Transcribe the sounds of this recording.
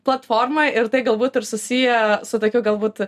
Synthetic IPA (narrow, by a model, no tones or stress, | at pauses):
plˠɐt̪foːrmɐɪɾt̪ɐɪɡɐlˠbuːt̪ɪrsʊsʲiːjɛsʊt̪oːkʲuːɡɐlˠbuːt̪